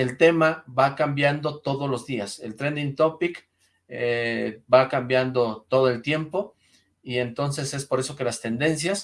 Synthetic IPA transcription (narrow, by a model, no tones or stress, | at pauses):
e̞lt̪e̞maβakambjand̪o̞t̪o̞ðolo̞zðiase̞̰lt̪ɾend̪int̪o̞pik | ebakambjand̪o̞t̪o̞ðo̞e̞lt̪je̞mpo̞ | ie̞nt̪o̞nse̞se̞spo̞ɾe̞so̞ke̞last̪e̞nd̪e̞nsjas